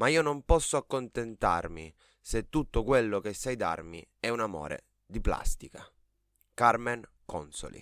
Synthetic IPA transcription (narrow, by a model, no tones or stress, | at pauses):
maiːonompɔsːoakːont̪ent̪a̰rmi | set̪ːut̪ːokwelːok̟esajd̪a̰rmiɛunamo̰ːɾḛ | d̪ipla̰st̪ika | karmen | kɔ̰nso̰lḭ